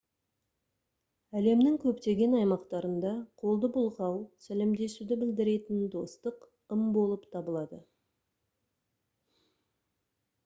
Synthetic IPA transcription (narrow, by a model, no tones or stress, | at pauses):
æle̞mnɪŋkʲʰɵpt̪e̞ɡʲe̞nɑjmɑqt̪ɑɾənd̪ɑqʰo̞lˠd̪əbʊlˠʁɑwsæle̞md̪e̞sud̪ɪbɪld̪ɪɾe̞t̪ɪnd̪o̞st̪əq | əmbo̞lˠəpt̪ʰɑbəlˠɑd̪ə